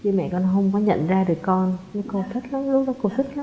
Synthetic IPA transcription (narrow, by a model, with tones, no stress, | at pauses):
t͡ɕɨ˧mɛ̰˧˨kɔ˧nɦə˧wŋ͡mkɔ˨˦ɲə̰˧˨nzaː˧ɗɨ˨˩əkːɔ˧nnɨ˨˦ko˧t̪ʰi˦˥t̚lə˨˦nlʊ˦ɗɔ˨˦ko˧t̪ʰi˦˥k̚la˨˦